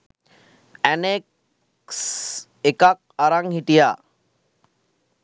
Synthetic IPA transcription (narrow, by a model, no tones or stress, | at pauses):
ænek | s | ekak̚aɾaŋhit̪ija